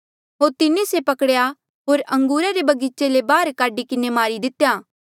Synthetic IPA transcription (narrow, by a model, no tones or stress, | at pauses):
ɦoːɾt̪ɪnẽsepɐkɽja | ɦoːɾɐ̃ŋɡuːɾaɾebɐɡit͡ʃelebaːɾkaːɖikɪnemaːɾid̪ɪt̪ːjaː